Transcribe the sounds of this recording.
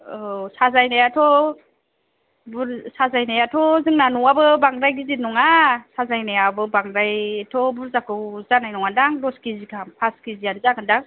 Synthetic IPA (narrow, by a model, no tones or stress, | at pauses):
sazajnajatʰɔ | buɾsazajnajatʰɔzɯŋnanɔabɯbaŋdajɡizinɔŋasazajnajabɯbaŋɾajtʰɔbuɾzakɯwzanajnɔŋandaŋdɔskizikʰampʰaskizianzakandaŋ